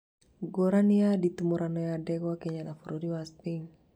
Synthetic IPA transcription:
ɡɔɾaniadit̪umuɾʔanɔjadɛɡakeɲalafuɾʔudiwast̪iŋ

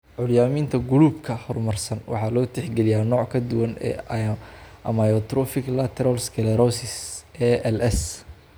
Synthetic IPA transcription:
ʕʊljaːmiːnt̪ʰɐɡʊluːbkʰɐhɔrmɐrsɐnwɑ̰ħɑlɔːt̪ʰɛħɡɛlɪjaːnɔːʕkʰɐd̪ʊwɐnɛ̰ː | ʔɐmajɔt̪ɾɔfɪɡlɐt̪ʰɛɾɐlskʰɛlɛɾɔsɪsɛːɛlɛs

